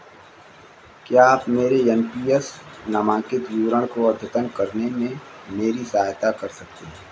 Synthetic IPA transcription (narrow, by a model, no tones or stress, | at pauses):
kjaaːpmeːɾeɛnpiːesnamãːkɪt̪juːɾəɽ̃koɐd̪ʱjət̪ənkɐɾnemẽ | meːɾisaaːjt̪akɐɾsɐk̚t̪eɦː